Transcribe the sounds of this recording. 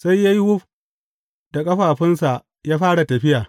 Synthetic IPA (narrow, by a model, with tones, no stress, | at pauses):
sa˦jːa˦ji˦hʊ˦ɸ | d̥a˨kʼɐ˦ɸaː˨ɸɪ˦nsa˨ʔ | jaː˦ɸaː˦ɽa˨tɐ˨ɸɪ˦jaː˨